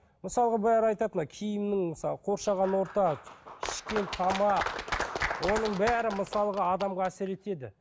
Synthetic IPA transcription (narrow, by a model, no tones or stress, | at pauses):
məsɑlˠəʁɑbæɾɑjt̪ɑt̪ənɑkʲʰɪjɪmnɪŋməsɑqʰo̞ɾʃɑʁɑnwo̞ɾt̪ɑɪ̥ʃkʲe̞nt̪ʰɑmɑ | wo̞nəɴbæɾɪməsɑlˠəʁɑːd̪ɑmʁɑæsɪɾe̞t̪e̞d̪ɪ̰